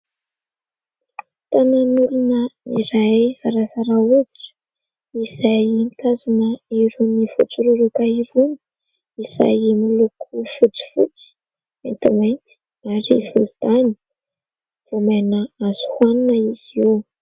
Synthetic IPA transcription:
t̪ananuɾunənḭɾajzaɾazaɾaut͡su̥ | izajnt̪azunəiɾunifṵt͡suɾuɾukaiɾuni̥ | iza̰jmulukʰufut͡si̥fṵt͡si̥ | ḛnt̪amajnt̪i̥ | aɾḭvuld̪ani̥ | v̥omajnəazu̥huaninəizi

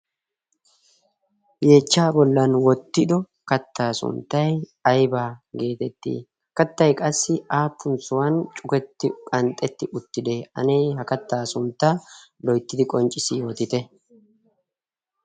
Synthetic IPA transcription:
jeːt͡ʃːaːbɔlːɐnwɔt̪ːɪd̪ɔ | kɐt̪ːaːsʊ̰nt̪ːɐj | ɐjbaːɡe̞ːt̪ɛt̪ːḭː | kɐt̪ːɐjkʼɐsːɪaːpːʊnt͡sʊwant͡ʃʼʊkɛt̪ːɪkʼɐnt̪ʼːɛt̪ːɪʔʊt̪ːɪd̪ɛɐ̰nejhɐkɐt̪ːaːsʊnt̪ːɐlɔjt̪ːɪd̪ɪkʼɔnt͡ʃʼɪsɪjo̞ːt̪ɪt̪ɛ

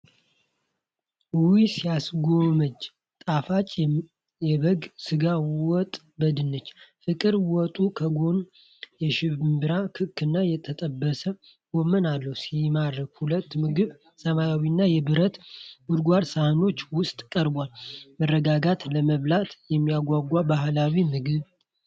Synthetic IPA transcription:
wuwisijasɡo̞məd͡ʒː | t̪ʼafat͡ʃʼ | jɛβəɡsɨɡawɔt̪ʼ | bəd̪ɨnːət͡ʃːfɨkʼɨɾwɔt̪ʼukʰəɡo̞n | jɛʃɪmbɨɾakʰɨkʰːɨnːajɛt̪ʰət̪ʼəbːəsə | wɔmənalːəwusimad̪ɾəkhulət̪ːmɨɡɨβ | səmajawinːajɛbɨɾət̪bud̪ɡʷaɾsahno̞t͡ʃːwʊst̪ʼkʼəɾbwalmərːəɡaɡat̪ləməβlat̪jɛmːijaɡʷaɡʷabaɦlawimɨɡɨβ

